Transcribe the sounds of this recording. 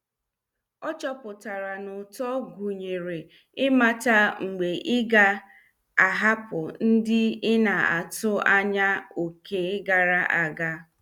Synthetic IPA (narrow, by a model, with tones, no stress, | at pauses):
ɔ˦t͡ʃɔ˦pʊ˨ta˨ɾa˨nʊ˨tɔ˦ɡʷu˨ɲe˨ɾe˨ | ɪ˦ma˦ta˦ŋ͡m̩˨ɡ͡be˨ʔɪ˦ɡa˦ | a˨ɦa˦pʊ˨n̩˦dɪ˦ɪ˦na˨a̰˨tʊ˦a˦ɲa˦o˨ke˨˦ɡa˨ɾa˦ʔa˨ɡa˦